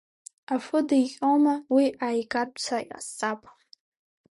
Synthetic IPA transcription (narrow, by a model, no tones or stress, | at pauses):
afɨdajqʲʼomawiʔaːjkʼarpʼt͡sʰaa̰st͡sʼapʼ